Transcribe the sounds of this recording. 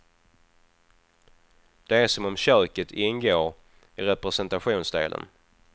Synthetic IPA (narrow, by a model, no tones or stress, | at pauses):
d̪̥ɛæʂɔmɔmɕœːkət̪ʰɪnːɡoːɾ | æɾɾɛpɾɛsɛnt̪aɧuːnsd̪ḛːlʔə̰n